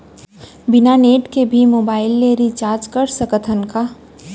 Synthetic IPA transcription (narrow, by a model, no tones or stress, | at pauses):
bɪnaneːʈkebʱimoːbaːɪlːeːɾit͡ʃaːɾd͡ʒkəɾsəkət̪ʰənka